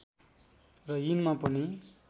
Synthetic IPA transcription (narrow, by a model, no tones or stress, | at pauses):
rʌjinmapʌni